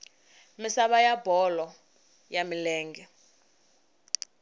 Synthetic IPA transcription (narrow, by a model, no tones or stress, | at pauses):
misaɓajabɔlɔ | jamilɛːŋɡɛ